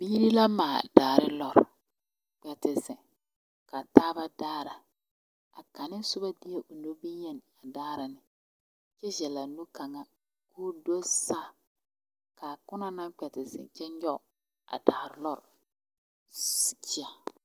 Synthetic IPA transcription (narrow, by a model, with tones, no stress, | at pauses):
biː˦ɾi˦la˦maː˨daː˨ɾɪ˦lɔ˨ɾ | k͡pɛ˨tɪ˨zɪ˨ | ka˨taː˦ba˦daː˦ɾa˨ | a̰˨ka˨nɪ˦sʊ˦ba˦di˦e˦ʔo˨no˦bi˦jɛ˦n˨a˨daː˦ɾɪ˨nɪ˨ | t͡ʃɛ˦ʒɛ˨la˨nu˦ka˨ŋa˦ | koː˦do˦sa˦˨ | ka˨kʊ˦na˦na˦ŋk͡pɛ˨tɪ˨zɪ̰˨t͡ʃɛ˦ɲɔ˦˨ | a̰˨daː˨ɾlɔ˦ɾ | st͡ʃi˦a˨